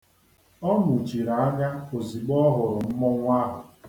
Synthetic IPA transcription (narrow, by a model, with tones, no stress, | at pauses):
ɔ˦mʊ˨t͡ʃi˨ɾa˨a˦ɡa˦o˨zi˨ɡ͡bɔ˦ɦʊ˨ɾʊ˨m̩˦mɔ˦ŋʷ˦a˦ɦʊ˨